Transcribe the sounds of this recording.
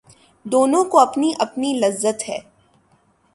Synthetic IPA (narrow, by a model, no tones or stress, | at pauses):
d̪oːnõkoɐpniʔɐpnilɐzːət̪ɦɛː